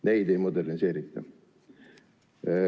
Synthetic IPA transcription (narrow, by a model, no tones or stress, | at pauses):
ne̞jd̪e̞jmod̪ernise̞ːɾit̪ˑːɑ̰